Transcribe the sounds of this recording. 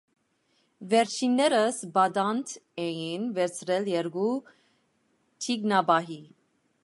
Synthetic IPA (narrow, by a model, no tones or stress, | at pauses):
vɛɾt͡ʃʰinːɛɾəsbɑd̪ɑnt̪ʰɛjinvɛɾt͡sʰɾɛljɛɾɡu | t̪ʰiɡnɑbɑɦi